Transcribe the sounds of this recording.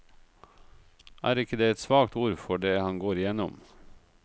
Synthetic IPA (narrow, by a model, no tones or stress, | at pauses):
ʔæːɾɪkəd̪eːɛt̪sʋɑːkt̪uːɾfɔɖeːhɑnɡoːɾɪjɛnɔ̰m